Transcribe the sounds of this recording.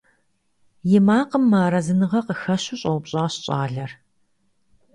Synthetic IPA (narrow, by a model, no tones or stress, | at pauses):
jɪmaːqəmːaːɾɐzɨnɨʁɐqəxɐɕuɕʼɐwpɕʼaːɕɕʼaːɮɐr